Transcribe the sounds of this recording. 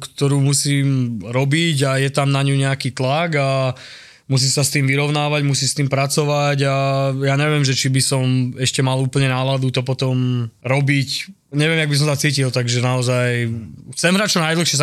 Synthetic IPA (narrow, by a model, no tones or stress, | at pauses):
kt̪ɔɾuːmusiːmɾɔbiɟajɛt̪amnaɲuɲɛakiːt̪laɡa | mus̬iːsast̪iːmʋiɾɔʊnaːʋaɟmusiːst̪iːmpɾat͡sɔʋaɟajaːɲɛʋɪɛmʒɛt͡ʃibisɔmɛʃcɛmaluːpl̩ɲɛnaːlad̪ut̪ɔpɔt̪ɔmɾɔbic | ɲɛʋɪɛmjaɡbis̬ɔmsat͡siːcilt̪aɡʒɛnaɔzajxt͡sɛmɦɾaːc̚t͡ʃɔnajd̪l̩xʃɪɛsa